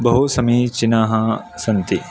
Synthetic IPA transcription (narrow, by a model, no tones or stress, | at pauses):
bɐɦusɐmit͡ʃinaːɦɐ | sɐnt̪i